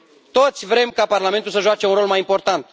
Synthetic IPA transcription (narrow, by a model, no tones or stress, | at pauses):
t̪o̞t̪sʲvɾe̞mkaparlame̞nt̪ulsəʒoat͡ʃe̞unɾo̞lmajimpo̞rt̪ant̪